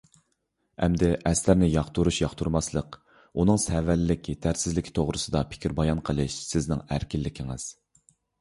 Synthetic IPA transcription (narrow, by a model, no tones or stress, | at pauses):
ɛ̰md̪ɪʔɛslæɾnɪjɑχt̪ʰuɾuʃjɑχt̪ʰuɾmɑslˠəq | unɨŋsɛvælɪːɪkʲʰit̪ʰæɾsɪzlɪkʲʰi̥t̪ʰoʁɾɨsɨd̪ɑpʰɪ̥kʲʰiɾbɑjɑnqʰəlˠɨʃsɪznɪ̰ŋæɾkʲilːɪkʲʰiŋɪ̰z̥